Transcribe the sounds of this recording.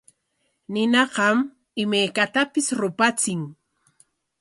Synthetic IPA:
nɪnɑqɑm | ɪmajkat̪apɪsɾʊpat͡sɪŋ

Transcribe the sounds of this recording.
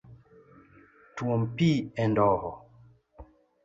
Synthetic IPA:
tuɔmpiɛndɔhɔ

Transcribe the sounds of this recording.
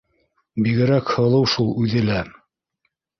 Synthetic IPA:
biɡɘ̆ɾækhɤ̆lˠɤwʃulˠʉðɘlæ

